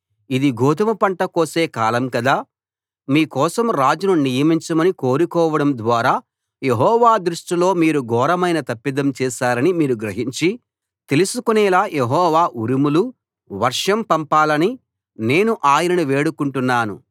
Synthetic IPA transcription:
id̪iɡoːt̪ɐmɐpɐɳʈɐkoːse̞ːkaːlɐmkɐd̪aː | miːkɔːsɐmɾaːd͡ʒununijɐmiɲt͡ʃɐmɐniko̞ːɾikɔːʋɐɽɐmd̪ʋaːɾaː | jeɦɔːʋaːd̪ɾuʂʈilo̞ːmiːɾuɡɔːɾɐmɐjnɐt̪ɐpːid̪ɐmt͡ʃɛːʃaːɾɐnimiːɾuɡɾɐɦiɲt͡ʃi | t̪e̞lusukunɛːlaːjʔeɦɔːʋaːʔuɾimulu | ʋɐɾʂɐmpɐmpaːlɐni | ne̞ːnuʔaːjɐnɐnuʋeːɽukuɳʈunːaːnṵ

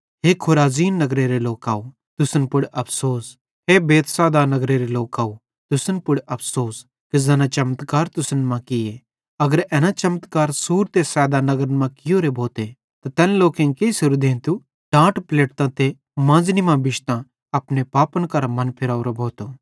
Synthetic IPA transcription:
ɦeːkʰʊɾaːziːnːɐɡɾeɾeloːkaː | t̪ʊsənpʊɽʔɐpʰsoːs | ɦeːbeːt̪sɛːd̪anɐɡɾeɾeloːkaːo | t̪ʊsənpʊɽɐpʰsoːs | kezɐːnãt͡ʃɐmt̪kaːɾt̪ʊsənmãkɪje | ɐɡəɾɛːnat͡ʃɐmət̪kaːɾsuːɾt̪esɛːd̪anɐɡɾənmãkɪjoːɾebʱoːt̪e | t̪at̪ɛːnloːkẽkesʊɾud̪ʱẽːt̪u | ɖãːʈpleːʈt̪ãt̪e | mãːd͡znimãbɪʃt̪ã | ɐpnepaːpənkɐɾamɐnpʰɪɾaːuɾobʱoːt̪oː

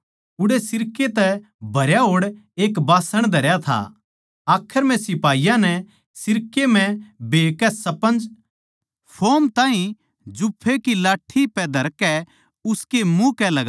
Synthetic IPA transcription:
ʊɽesɪɾket̪ɛ | bʱɐɾjaɦoːɽeːkbaːsəɽ̃d̪ʱɐɾjat̪ʰa̰ | aːkʰːəɾmɛ̃sɪpaːijãnɛ | sɪɾkem̤ɛ̃beːkːɛsɐpə̃nd͡ʒ | pʰoːmt̪ãːɦĩ | d͡ʒʊpʰːekilaːʈʰːipɛd̪ʱɐɾkɛ | ʊskemũkɛlɐɡa

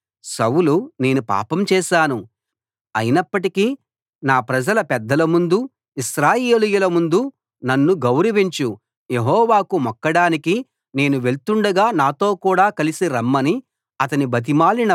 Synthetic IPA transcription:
sɐwulune̞ːnupa̰ːpɐmt͡ʃɛːʃaːnu | ɐ̰jinɐpːɐʈiki | naːpɾɐd͡ʒɐlɐpɛd̪ːɐlɐmund̪u | iʃɾaːjeːlijulɐmund̪u | nɐnːuɡɐwɾɐʋiɲt͡ʃu | je̞ɦɔːʋaːkumɔkːɐɽaːniki | ne̞ːnuʋe̞ɭt̪uɳɖɐɡaːnaːt̪o̞ːkuːɽaːkɐlisiɾɐmːɐni | ɐt̪ɐnibɐt̪̬imaːlinɐ

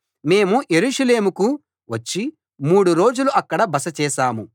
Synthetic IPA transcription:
me̞ːmuje̞ɾuʂɐle̞ːmuku | ʋɐt͡ʃːi | muːɽuɾo̞ːd͡ʒuluʔɐkːɐɽɐbɐsɐt͡ʃɛːʃaːmu

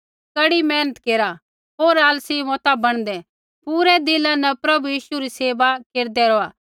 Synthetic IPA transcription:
kɐɽimɛːnət̪keːɾa | ɦoːɾaːlsimɔːt̪abɐɽ̃d̪ɛ | puːɾɛd̪ɪlãnɐpɾɐbujiːʃuɾiseːʋakeːɾd̪ɛɾoːaː

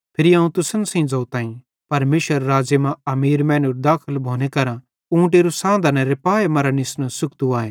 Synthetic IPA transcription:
pʰɪɾiaːũt̪ʊsənsɐ̃ĩd͡zɐːt̪ãːĩ | pɐɾmeːʃʋəɾːaːd͡ʒəmãɐmiːɾmɛ̃ːnuɾd̪aːkʰəlbʱoːnekɐɾã | ũːʈ̬eːɾusãːnd̪anɛ̃ɾepaːemɐɾanɪsnasʊkt̪uaːẽː

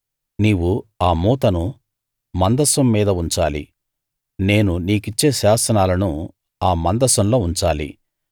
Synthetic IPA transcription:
niːwuaːmuːt̪ɐnu | mɐnd̪ɐsɐmːiːd̪ɐuɲt͡ʃaːlḭ | ne̞ːnuniːkit͡ʃːeːʃaːsɐnaːlɐnu | aːmɐnd̪ɐsɐmlo̞ːuɲt͡ʃaːlḭ

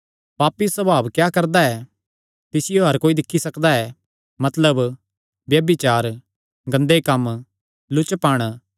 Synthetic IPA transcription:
paːpːisɐbaːʋkjaːkɐɾd̪aɛ | t̪ɪsɪjoɦɐɾkoːid̪ɪkʰːisɐkd̪aɛː | mɐt̪ləb | ʋjɐbit͡ʃaːɾ | ɡɐ̃nd̪ekɐm | lʊt͡ʃpaːɽ̃

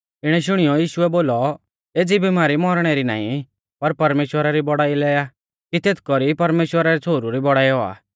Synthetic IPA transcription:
ɪɽ̃ɛʃ̬ʊɽ̃ijɔjiːʃʊɛboːlɔ | eːd͡zibimaːɾimɔɾɽ̃ɛɾina̰ːḭ̃ | pɐɾpɐɾmeːʃwəɾaɾibɔɽaːilɛːja | kit̪et̪ʰkɔɾipɐɾmeːʃwəɾaɾɛt͡sʰoːɾuɾibɔɽaːiɦɔa̰ː

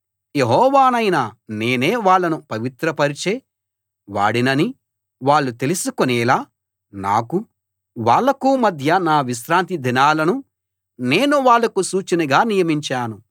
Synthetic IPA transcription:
je̞ɦɔːʋaːnɐjnɐne̞ːne̞ːʋaːɭːɐnupɐʋit̪ɾɐpɐɾit͡ʃeː | ʋa̰ːɽinɐni | ʋaːɭːut̪e̞lisukonɛːlaː | na̰ːku | ʋaːɭːɐkuːmɐd̪ʱjɐnaːʋiʃɾaːnt̪̬id̪ʱinaːlɐnu | ne̞ːnuʋaːɭːɐkusuːt͡ʃinɐɡaːnijɐmiɲt͡ʃaːnu

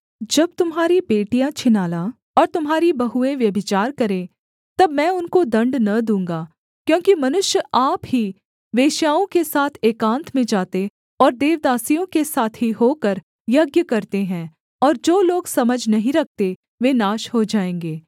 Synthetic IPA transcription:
d͡ʒɐb̚t̪ʊmɦaːɾipeːʈijãt͡ʃʰɪnaːlã | ɔːɾt̪ʊmɦaːɾibɐɦuẽʋjɐbʱɪt͡ʃaːɾkɐɾẽ | t̪ɐbmɛ̃ːʊnkod̪ɐ̃ɳɖnɐd̪ũːŋɡaː | kjõːkimɐnʊʃjəʔaːpɦi | ʋeːʃjaːõkesaːt̪ʰeːkãːnt̪ʰmẽd͡ʒaːt̪e | ɔːɾd̪eːʋd̪aːsijõkesaːt̪ʰɦiɦoːkəɾ | jɐɡjəkɐɾt̪eɦɛ̃ | ɔːɾd͡ʒoːloːɡsɐməd͡ʒʱnɐɦĩɾɐk̚ʰt̪e | ʋeːnaːʃɦod͡ʒaːẽːŋɡeː

